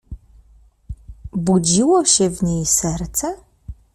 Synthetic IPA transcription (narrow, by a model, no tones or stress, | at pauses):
bud͡ʑiwɔɕɛvɲejsɛɾt̪sɛ